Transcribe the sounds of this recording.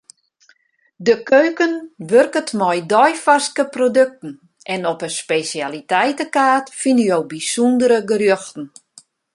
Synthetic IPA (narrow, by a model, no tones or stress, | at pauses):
dəkøɥkənʋørkətmɔjdɔjfaskəprodøk̚tn̩ | ʔɛnɔpəspesjalitɛjtəkaːtfinəjowbisundəɾəɡərjøxtn̩